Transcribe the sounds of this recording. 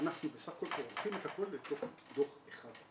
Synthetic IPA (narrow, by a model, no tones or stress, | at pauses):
anaχnubesaχko̞lteʁalχimet̪ako̞lːet̪o̞χt̪o̞χeχad̥̪